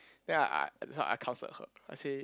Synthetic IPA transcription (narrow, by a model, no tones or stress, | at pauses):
d̥̪ɛ̃naɪʔa̰ɪdɛswaɪʔa̰kʰãʊ̃nsə̰t̚hə̰aɪse